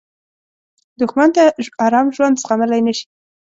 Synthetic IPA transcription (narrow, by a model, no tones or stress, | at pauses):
d̪ʊxmant̪aɑɾɑmʒwand̪sxanəlajnəʃi̥